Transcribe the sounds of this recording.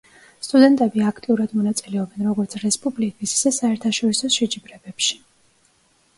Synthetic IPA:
st̪ʼud̪ɛnt̪ʼɛbiakʰt̪ʼiuɾad̪mɔnat̪sʼilɛɔbɛnɾɔɡɔɾt̪sʰɾɛspʼublikʼissasaɛɾt̪ʰaʃɔɾisɔʃɛd͡ʒibɾɛbɛpʃi̥

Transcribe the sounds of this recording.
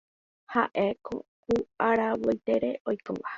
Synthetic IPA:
ha̰ʔekõkuaɾawojt̪e̞ɾe̞ojko̰ʋa

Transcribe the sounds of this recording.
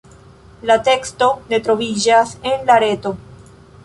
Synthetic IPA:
late̞ksto̞ne̞tɾo̞vid͡ʒase̞nlaɾe̞to̞

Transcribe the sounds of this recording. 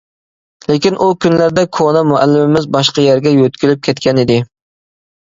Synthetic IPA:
lekʲinʔukʲʰynlæɾd̪ɛkʰonɛmuælːɪmɪmɪzbɑʃqɑjæɾɡʲɛjøt̪kʲylɪp̚kʲʰɛt̪kʲʰɛnɪd̪ɪ

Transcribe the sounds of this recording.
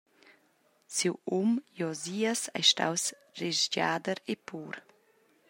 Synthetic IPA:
siwumjɔziːasa̰jʃta̰ws | reʒd͡ʒa̰ːd̪əɾepuːɾ

